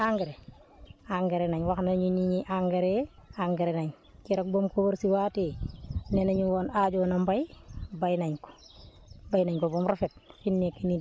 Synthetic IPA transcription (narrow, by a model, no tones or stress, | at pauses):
aŋɡeɾe | aŋɡeɾenaɲwaknaɲuniɲiʔaŋɡeɾeaŋɡeɾenaɲ | kiɾak̚bomkoboɾsiwaːtenenaɲuwonad͡ʒonambajbajnaɲko̥ | bajnaɲkobomɾafet̚finːekini